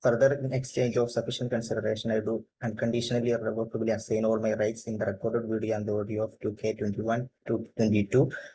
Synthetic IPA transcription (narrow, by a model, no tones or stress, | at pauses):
fɐɾd̪ɐɾekst͡ʃẽːɲd͡ʒoːfsɐfiʃɐ̃ɳʈ̚kɐ̃nsiɖɐɾeːʃɐnajɖuː | æ̃ɳɖ̚kɐɳɖiʃɐnɐliɾeʋokɐbiliasejnoːʋɐlmɐjɾɐjʈsĩnd̪ɐɾekoːɾɖeɖʋiːɖijoãːnd̪ɐoːɖijooːftuːkʰeːtwenɳʈiʋɐ̃ntutwẽnʈiʈu